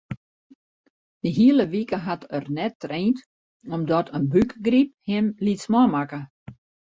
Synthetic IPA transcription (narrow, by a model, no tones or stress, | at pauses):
dəɦiələʋikəɦatərnɛtːreːnt | ɔmdɔtʰənbykɡrip̚hɪmlitsmɔmakə